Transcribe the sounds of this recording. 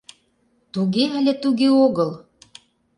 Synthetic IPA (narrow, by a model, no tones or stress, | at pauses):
t̪uɣeælʲet̪uɣeoɣəl